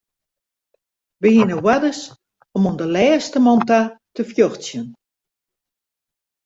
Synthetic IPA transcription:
ʋəhinəwadəs | ɔmondəlɛːstəmɔntatəfjoxsjən

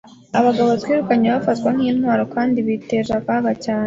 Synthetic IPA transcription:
aβaɡaβoatwiːɾukaɲeβafatkwaŋhiːnhwaːɾokaːndiβite̞ʒakaɡacaːne

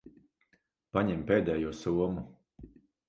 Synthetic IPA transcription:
paɲɛmpeːd̪ɛːjuɔsuɔmu

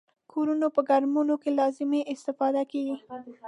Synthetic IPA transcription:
kʰoɾunopəɡaɾmunokelɑzɪmeʔɪst̪ɪfɑd̪akeɡi

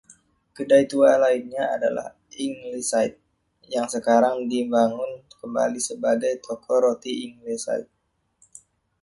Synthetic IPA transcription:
kədajt̪ualainɲaada̰la̰h | iŋlisait̪̚ | jaŋsəkaɾaŋdimbaŋʊnkəmba̰lisəbaɡajt̪ʰɔkʰɔɾot̪iiŋlisa̰it̪̚

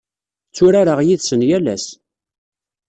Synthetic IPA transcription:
t͡sːʊɾaɾəʁjiðsənjælæs

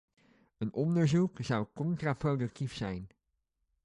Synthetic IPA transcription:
ənɔndəɹzukzʌwkɔntraprowdɵk̚tifsɛjn

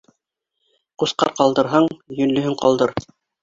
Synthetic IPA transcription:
qusqɑ̰ɾqɑlˠd̪ɤ̆ɾɦɑɴjɵ̆nlɵ̆ɦɘɴqɑ̰lˠd̪ɤɾ

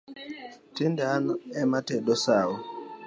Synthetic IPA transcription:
tindanɔɛmatɛɗɔsawɔ

